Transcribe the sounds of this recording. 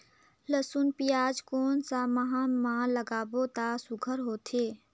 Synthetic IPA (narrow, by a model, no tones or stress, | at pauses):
ləsunpijaːd͡ʒkoːnsaməɦãmãləɡaːbot̪asʊɡʱəɾɦoːt̪ʰeː